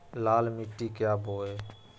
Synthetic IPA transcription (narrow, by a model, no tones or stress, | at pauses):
laːlmɪʈːiːkjaːbʱoːeː